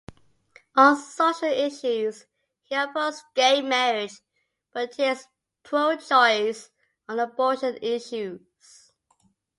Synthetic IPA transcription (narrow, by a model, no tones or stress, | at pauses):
ə̃nssoʃəlɪʃʉz̥ | hiəpəsɡ̥eɪmmɛɹɪd͡ʒ | b̥ʌthiɪz̥ | pʰɹoʊd͡ʒɔɪz | ə̃nəbɔˑʃə̃nɪʃʉ | z̥